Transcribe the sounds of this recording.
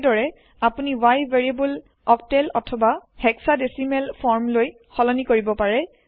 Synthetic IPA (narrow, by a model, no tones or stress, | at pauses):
dɔɹɛ | apuniwajveɹiabul | ɔktɛlɔtʰɔbahɛksadesimɛlpʰɔɹmloj | xɔlɔnikoɹibɔpaɹɛ